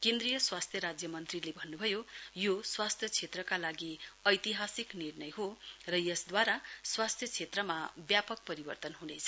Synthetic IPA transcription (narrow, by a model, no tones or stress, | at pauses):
kend̪rijʌswast̪ʰjʌɾad͡zjʌmʌnt̪rilebʱʌnːubʱʌjojoswast̪ʰjʌt͡sʰet̪rʌkalaɡiʌjt̪iɦasiknirnʌjɦorʌjʌsd̪waɾaswast̪ʰjʌt͡sʰet̪rʌmabjapʌk̚pʌɾibʌrt̪ʌnɦunet͡sʰʌ